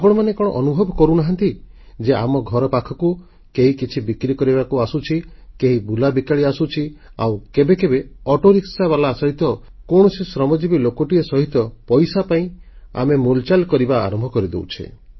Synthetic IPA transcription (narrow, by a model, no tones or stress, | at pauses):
abɔɽ̃ɔmanekɔɽ̃ɔ̰ʔɔnubʱɔbʱɔkɔɾunaɦant̪i | d͡ʒeʔamɔɡʱɔɾɔpakʰɔku | keɦikit͡ʃʰibikɾikɔɾibakuasut͡ʃʰikeɦibulabikaɭiasut͡ʃʰia̰wkebekebeɔʈoɾiksaβalaːsɔɦit̪ɔ | koɽ̃ɔsisɾɔmɔd͡ʒibilokoʈiesɔɦit̪ɔpɔjsapaĩa̰memult͡ʃalkɔɾibaa̰ɾɔmbʱɔkɔɾid̪ḛwt͡ʃʰḛ